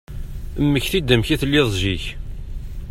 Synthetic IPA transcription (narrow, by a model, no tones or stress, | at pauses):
əmːəçθid̪əmçiθlːiðˤʒiç